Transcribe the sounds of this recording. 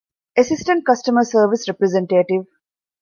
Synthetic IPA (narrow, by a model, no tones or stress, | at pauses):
esɪsʈə̃ɳʈ̚kɐsʈəməɾsəːɾʋisɾepɾezẽɳʈeːʈiʋ